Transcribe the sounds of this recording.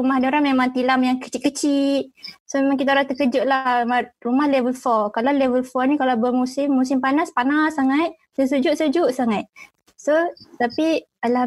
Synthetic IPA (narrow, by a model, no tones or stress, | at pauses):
ɾumahdioɾaŋmemaŋt̪ilamjaŋkə̥t͡ʃit̪̚kət͡ʃiʔ̪̚somemaŋk̬it̪aɾat̪əkəd͡ʒʊʔlahmarumahlevəlfɔkalalevəlfɔnikalabəmusɪmːusɪmpanaspanasːaŋat̪̚ | səs̬əd͡ʒʊʔsəd͡ʒuʔsaŋat̪̚ | sot̪api | ala